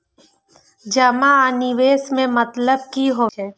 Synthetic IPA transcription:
d͡ʒəmaaːnɪʋeːsmẽmət̪ləb̚kiɦoɛ

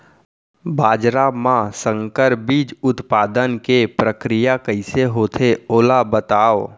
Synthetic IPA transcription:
bʱaːd͡ʒɾamãsə̃ŋkəɾbiːd͡ʒʊt̪paːd̪ənkepɾəkɾijakəɪseɦoːt̪ʰeoːlabət̪aːo

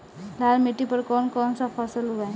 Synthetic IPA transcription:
lalmeʈipəɾkɔːnkɔːnsapʰasəluɡaj

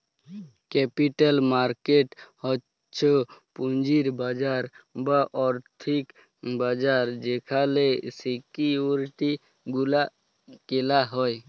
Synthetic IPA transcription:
kɛpiʈəlmaɾkeʈɔ | t͡ʃʰopund͡ʒiɾbad͡ʒaɾbəʔɔɾt̪ʰik | bad͡ʒaɾd͡ʒekʰalesikiuɾʈi | ɡula | kelaɦɔj

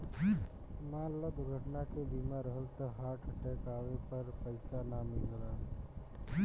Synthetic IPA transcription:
manləɡɡʱəʈnakebimaɾəɦəlt̪ɔɦaːʈʰəʈekaːwepəɾpəɪsanamilɡəlaː

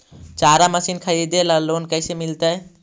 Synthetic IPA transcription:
t͡ʃaɾaməsinkʰəɾid̪elalonkəjsemilt̪ae

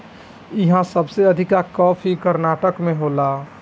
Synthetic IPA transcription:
iɦãsəbseəd̪ʱikakɔpʰikəɾnaʈəkmẽɦola

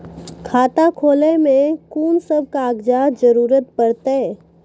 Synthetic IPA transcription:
kʰaːt̪akʰoːlemẽkuːnsəb̚kaɡd͡ʒad͡ʒəɾuːɾət̪̚pəɾt̪e

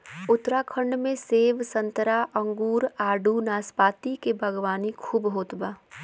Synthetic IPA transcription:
ʊt̪ɾakʰə̃ɳɖmẽseːʋsə̃nt̪əɾaʔə̃ŋɡuːɾaːɖunaːspaːt̪ikebʱəɡwaːnikʰuːbɦoːt̪baː

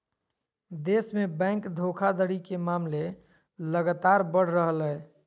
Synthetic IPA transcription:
d̪esmebɛ̃ŋkd̪ʱokʰad̪əɽikemamle | ləɡat̪aɾbəɽ̤ɾəɦəlɛ

